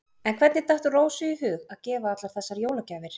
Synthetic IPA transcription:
ɛnkʰvɛt̪nɪt̪aht̪ʏroːwsʏiɦʏːɣaðcɛːvaat̪laɾ̥θɛsːaɾjoːwlacaːvɪɾ̥

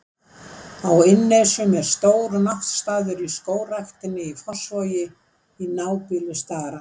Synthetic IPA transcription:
awɪnːesʏmɛɾ̥st̪oːwɾnaht̪st̪aːðʏɾiskoːwrajxt̪ɪnɪifɔ̥svɔːjɪ | inaːwpʏlʏst̪aːɾa

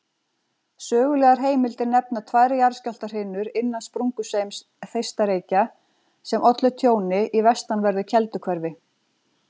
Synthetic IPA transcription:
sœːɣʏlɛːɣaɾ̥ɦeːjmɪlt̪ɪɾnɛpnat̪ʰvaːjɾɪjaɾ̥scal̥t̪aɾ̥hɪnːʏɾɪnːanspɾuŋkʏsejms | θejst̪aɾeːjca | sɛmʔɔt̪lʏt̪ʰjoːwnɪʔivɛst̪anvɛɾðʏcʰɛlt̪ʏkʰvɛɾvɪ

